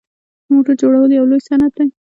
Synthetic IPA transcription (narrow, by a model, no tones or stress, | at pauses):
moʈəɾd͡ʒoɽawəljawlojsanat̪̚d̪aj